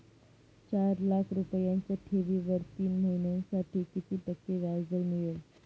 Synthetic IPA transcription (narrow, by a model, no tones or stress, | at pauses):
t͡ɕaɾlakʰɾupəjãɲt͡ɕaʈʰeʋiːʋəɾt̪iːnməɦinensaʈʰiːk̪it̪iːʈəkːeʋaɾd͡zəlmiɭe